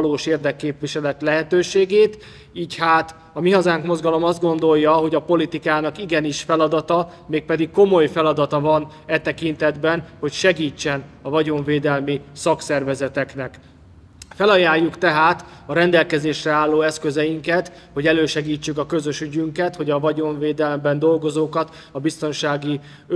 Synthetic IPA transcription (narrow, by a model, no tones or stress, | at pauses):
loːʃeːrd̪ɛkːeːpviʃɛlɛt̪lɛɦɛt̪øːʃeːɡeːt̪ | iːchaːt̪ | ɒmiɦɒzaːŋkmo̞zɡɒlo̞mɒzd̪ɡo̞n̪d̪o̞jːɒɦo̞ɟɒpo̞lit̪ikaːnɒkiɡɛniʃfɛlɒd̪ɒt̪ɒ | meːk̚pɛd̪ikko̞mo̞jfɛlɒd̪ɒt̪ɒvɒn | ɛt̪ɛkint̪ɛd̪bɛnho̞cʃɛɡiːt͡ʃːɛnɒvɒɟo̞ɱveːd̪ɛlmisɒksɛrvɛzɛt̪ɛknɛk | fɛlɒjaːjːukt̪ɛɦaːt̪ɒɾɛnd̪ɛlkɛzeːʃrɛaːlːoːɛskø̞zɛjiŋkɛt̪ | ho̞ɟɛløːʃɛɡiːt͡ʃːykɒkø̞zø̞ʃyɟyŋkɛt̪ho̞ɟɒvɒɟo̞ɱveːd̪ɛlmbɛnd̪o̞lɡo̞zoːkɒt̪ | ɒbist̪o̞nʃaːɡi